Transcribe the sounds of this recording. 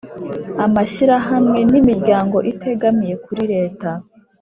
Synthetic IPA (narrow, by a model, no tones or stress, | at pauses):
amaʃiɾaɦamŋe̞nimiɾɟaːŋɡo̞ʔitʰe̞ɡamije̞kuɾiɾe̞ːta